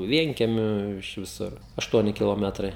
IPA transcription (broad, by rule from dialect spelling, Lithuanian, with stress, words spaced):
ˈʋʲiɛŋʲkʲiɛmʲʊ ɪʃ ʋʲɪˈsʊr ɐʃˈtuɔnʲɪ kʲɪlˠoːˈmʲæːtrɐɪ